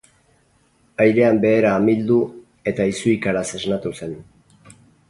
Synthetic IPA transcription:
ajɾe̞ambe̞ːɾaːmild̪u | e̞t̪aisuikaɾase̞znat̪use̞n

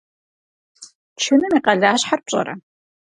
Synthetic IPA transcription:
t͡ʃʰɪnɨmiqɐɮaːɕħarp̚ɕʼɐ̰ɾɐ̰

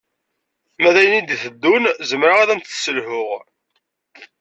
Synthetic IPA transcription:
mæðæjənid̪iθəd̪ːunzəmɾaʁaðænt̪səlhʊʁ

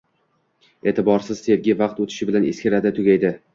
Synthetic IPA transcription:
e̞ːt̪ʰɪbɒɾsɪz̥se̞vɡʲɪvɑq̚t̪ot̪ʰɪ̥ʃɪbɪlaneskʲɪɾad̪ɪt̪ʰʊɡʲajd̪ɪ

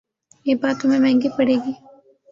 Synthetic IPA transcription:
eːbaːt̪ʊmẽmɛ̃ːŋɡipɐɽeːɡiː

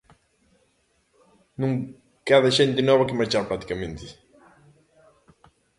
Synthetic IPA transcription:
nũŋ | kaðɐʃent̪ɪnɔβɐkɪmaɾt͡ʃaɾpɾat̪i̥kɐmẽnt̪ɪ̥

